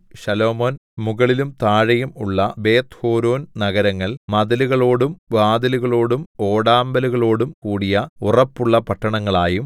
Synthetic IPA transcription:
ɕɐlo̞ːmoːnmuɣɐɭilumt̪aːɻɐjumuɭːɐbe̞ːt̪hoːɾoːnnɐɣɐɾɐŋːɐɭmɐðɐluɣɐɭo̞ːɽumʋaːd̪ɐluɣɐɭo̞ːɽumo̞ːɽaːmbɐluɣɐɭo̞ːɽumkuːɽijɐurɐpːuɭːɐpɐʈːɐɳɐŋːɐɭaːjum

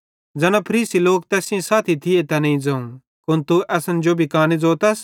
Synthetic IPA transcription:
d͡zɛːnãpʰɐɾiːsiloːkt̪ɛːsɪ̃ãsaːt̪ʰit̪ʰɪet̪ɛnɐ̃ĩd͡zɐũ | kʊnt̪uʔɛːsɐnd͡ʒoːbʱikaːnid͡zoːt̪ɐs

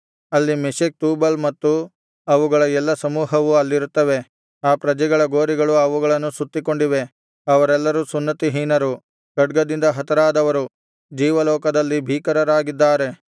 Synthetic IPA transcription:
ɐlːimisik̚t̪uːbɐlmɐt̪ːu | ɐʋuɡɐɭɐɛlːɐsɐmuːɦɐʋuɐlːiɾut̪ːɐʋe̞ | aːpɾɐd͡ʒɛɡɐɭɐɡoːɾiɡɐɭuɐʋuɡɐɭɐnːusut̪ːiko̞ɳɖiʋe̞ | ɐʋɐɾɛlːɐɾusunːɐt̪iɦiːnɐɾu | ɡ̥ɐɖɡɐd̪ind̪ɐɦɐt̪ɐɾaːd̪ɐʋɐɾu | d͡ʒiːʋɐlɔːkɐd̪ɐlːibʱiːkɐɾɐɾaːɡid̪ːaːɾe̞

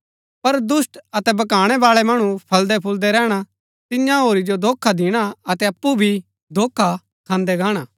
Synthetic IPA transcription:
pɐɾd̪ʊsʈɐt̪ɛbɐkaːɽ̃ɛbaːɭɛmɐɽ̃ũpʰɐld̪ɛpʰʊld̪ɛɾɛːɽ̃a | t̪ɪjãɦoːɾid͡ʒod̪ʱoːkʰːad̪ɪɽ̃aɐt̪ɛɐpːubʱi | d̪ʱoːkʰːa | kʰãːnd̪ɛɡaːɽ̃aː

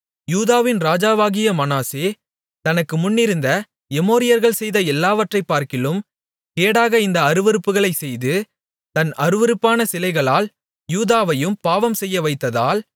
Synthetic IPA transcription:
juːðaːʋɪnɾaːd͡ʒaːʋaːɣɪjɐmɐnaːseː | t̪ɐnɐkːɯmʊnːɪɾɯnd̪ɐ | ɛmoːɾɪjɐɾɣɐɭsɛjðɐɛlːaːʋɐʈrɐɪpːaːɾkɪlɯm | keːɽaːɣɐɪnd̪ɐːɾɯʋɪɾɯpːɯɣɐɭɐɪsɛjðɯ | t̪ɐnɐɾɯʋɪɾɯpːaːnɐsɪlɐɪɣɐɭaːl | juːðaːʋɐjɯmpaːʋɐmsɛjːɐʋɐɪt̪ːɐða̰ːl

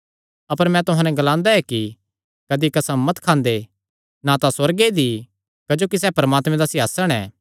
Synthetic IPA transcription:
ɐpəɾmɛ̃t̪ʊɦãːnɛɡɐlãːnd̪aɛki | kɐd̪ikɐsãmɐt̪kʰãːnd̪e | nat̪ãswɐɾɡed̪i | kɐd͡ʒoːkis̬ɛːpɐɾmaːt̪mɛ̃d̪asɪɦaːsəɽ̃ɛ̰ː

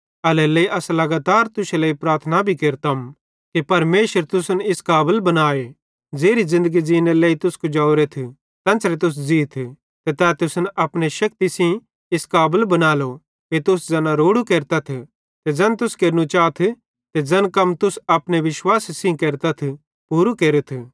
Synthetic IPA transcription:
ɐlɛleːiʔɐslɐɡaːt̪aːɾt̪ʊseləipɾaːɾt̪ʰnabʱikeːɾt̪am | kipɐɾmeːʃəɾt̪ʊsənɪskaːbəlbɐnaːe | d͡zeːɾizɪ̃nd̪əɡid͡ʒiːneleːit̪ʊskod͡ʒaːʊɾet̪ʰi | t̪ɐ̃nslet̪ʊs̬d͡ziːt̪ʰ | t̪et̪ɛːt̪ʊsnʔɐpñeʃɐk̚t̪isĩ | ɪskaːbəlbɐnaːlo | ket̪ʊsd͡zɐnãɾoːɽukeːɾt̪at̪ʰ | t̪ed͡ʒɐnt̪ʊskeːɾnũt͡ʃaːt̪ʰ | t̪ed͡ʒɐnkɐmt̪ʊsɐpñeʋɪʃwaːssĩkeːɾt̪at̪ʰ | puːɾukeːɾet̪ʰ

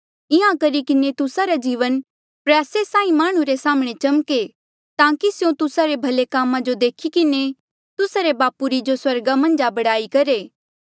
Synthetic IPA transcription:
ɪɦãkɐɾikɪnet̪ʊsaɾad͡ʒiːʋən | pɾɛːsesãːĩmaːɽ̃ũɾesaːməɽ̃et͡ʃɐmke | t̪ãːkisjõt̪ʊsaɾebʱɐlekaːmãd͡ʒod̪eːkʰikɪne | t̪ʊsaɾebaːpuɾid͡ʒoswɐɾɡamɐ̃nd͡ʒabɐɽaːikɐɾeː

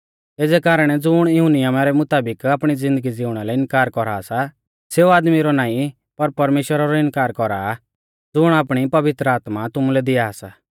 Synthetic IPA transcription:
eːd͡zɛkaːɾəɽ̃ɛd͡zʊɽ̃jɦʊnɪjamaɾɛmʊt̪aːbɪkaːpɽ̃id͡zɪ̃nd̪əɡid͡zɪʊɽ̃alɛɪnkaːɾkɔɾaːsa | seːuaːd̪miɾɔnaːĩ | pɐɾpɐɾmeːʃwəɾaɾɔɪnkaːɾkɔɾa̰ | d͡zʊɽ̃aːpɽ̃ipɐʋɪt̪ɾəaːt̪mat̪ʊmulɛd̪ɪaːsaː

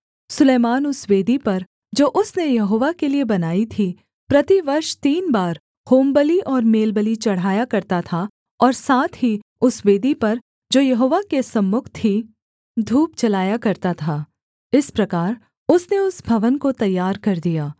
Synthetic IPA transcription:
sʊleːmaːnʊsʋeːd̪ipɐɾ | d͡ʒoːʔʊsnejɐɦoːʋakeliebɐnaːit̪ʰi | pɾɐt̪iʋɐɾʃt̪iːnbaːɾ | hoːmbəliʔɔːɾmeːlbəlit͡ʃɐɽ̤aːjakɐɾt̪at̪ʰa | ɔːɾsaːt̪ʰɦiʊsweːd̪ipɐɾ | d͡ʒoːjɐɦoːʋakesɐ̃mːʊkʰt̪ʰi | d̪ʱuːpt͡ʃɐlaːjakɐɾt̪at̪ʰaː | ɪspɾɐkaːɾ | ʊsneʊsbʱɐʋənkot̪ɐjːaːɾkɐɾd̪ijaː

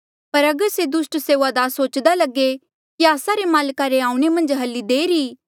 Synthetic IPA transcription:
pɐɾɐɡəɾsed̪ʊsʈseːʋad̪aːsoːt͡ʃd̪alɐɡe | kiaːsaɾemaːlkaɾeaːũɽ̃emɐ̃nd͡ʒɦɐlːid̪eːɾiː

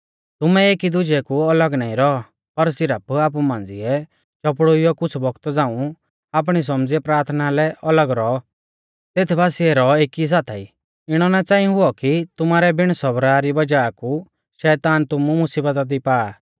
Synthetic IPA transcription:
t̪ʊmɛeːkid̪ʊd͡ʒɛkuɐləɡnãːĩɾɔɔ | pɐɾsɪɾəpaːp̬umãːnd͡zɪɛ | t͡ʃɔpɽoijɔkʊt͡sʰbɔɡt̪ɔd͡zãːũ | aːp̬ɽ̃is̬ɔmd͡ziɛpɾaːɾt̪ʰnalɛʔɐləɡɾɔ | t̪eːt̪ʰbaːsiɛɾɔeːkis̬aːt̪ʰai | ɪɽ̃ɔnat͡sãːĩɦʊɔkit̪ʊmaːɾɛbɪɽ̃sɔbɾaɾibɐd͡ʒaːku | ʃɛːt̪aːnt̪ʊmumʊsiːbət̪ad̪ipaː

